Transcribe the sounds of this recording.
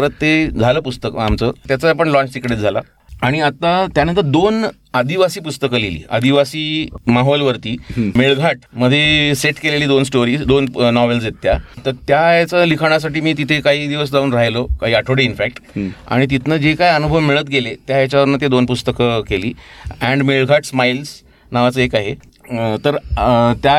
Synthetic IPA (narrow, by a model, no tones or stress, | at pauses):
əɾət̪ːed͡zʱaləːpust̪əkəamt͡səːt̪jat͡səapəɳlɔ̃ɲt͡ɕt̪ikɽed͡zʱala̰ | aɽ̃iat̪ːat̪janənt̪̬əɾd̪on | ad̪iʋasiːpust̪əkəlilḭːa̰d̪iʋasiːmaɦɔlʋəɾt̪iːmeɭɡʱaʈməd̪ʱːjeseʈkeleliːd̪ons̬ʈoɾiːsd̪onnɔʋels̬jet̪jat̪əɾt̪jajat͡səlikʰaɽ̃as̬aʈiːmiːt̪̬it̪ʰekaɦiːd̪iʋəs̬d͡zauːnɾaɦjlokaɦiːəʈʰoɽeinfæk̚ʈa̰ɽ̃it̪̬it̪nəd͡ʑekajənubʱəʋmiɭət̪̚ɡelet̪jajat͡ɕaʋəɾnat̪ed̪onpust̪əkəkeliːæ̃ɳɖmeɭɡʱaʈsmails | naʋat͡səekaɦe | t̪əɾt̪ja